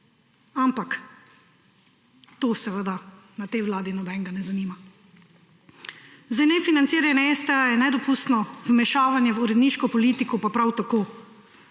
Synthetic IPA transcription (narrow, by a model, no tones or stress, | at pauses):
ampak | t̪oːsɛʋəd̪anat̪ɛjʋlaːd̪inɔbɛŋɡanɛzaniːma | zajnɛfinant̪siːɾanɛest̪ɛajɛnɛd̪ɔpust̪nɔvmɛʃaːʋanjɛwuɾɛd̪niːʃkɔpɔliːt̪ikɔpapɾawt̪akoː